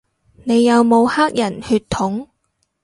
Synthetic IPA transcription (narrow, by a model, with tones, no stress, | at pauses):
ne˨˧jːɐ˨˧wmo˨˧whaː˥k̚jɐ˨˩nhyː˧t̪ʰʊ˨˥ŋ